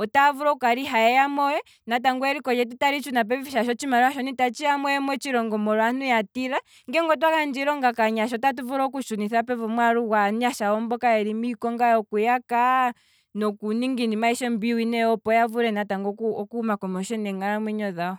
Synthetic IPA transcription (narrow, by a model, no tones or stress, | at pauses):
ɔtavuɾɔukaɾiɦajɛjamɔjɛ | nat̬aŋɡɔɛɾikɔjɛt̬utaɾit͡ʃunap̬ɛviviʃaʃɔt͡ʃimaɾuaʃɔnitat͡ʃiamɔjɛmwɛt͡ʃiɾɔŋɡɔmɔɾɔanujatiɾa | ŋɡɛŋɡɔt̬wakand͡ʒiɾɔŋɡakaɲaʃ̬ɔtat̬uvuɾɔk̬uʃuniθapɛvɔmwaɾuwanuaʃawɔmbɔkajɛɾimikɔŋɡajɔkujaka | nɔkuniŋɡindimaiʃɔmbiwinɛɔpɔjavuɾɛnataŋɡɔɔkuumakɔmɔʃɔnɛŋɡaɾamwiɲɔðaɔ